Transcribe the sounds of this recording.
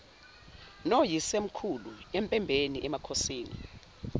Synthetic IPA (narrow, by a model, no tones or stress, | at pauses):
nojisem̩kʰuluempʼɛmbʱeniʔɛmakʰosiːnḭ